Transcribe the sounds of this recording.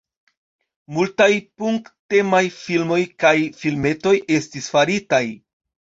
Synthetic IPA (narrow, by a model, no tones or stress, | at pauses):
multajpuŋkte̞majfilmo̞jkajfilme̞to̞jʔe̞stisfaɾitaj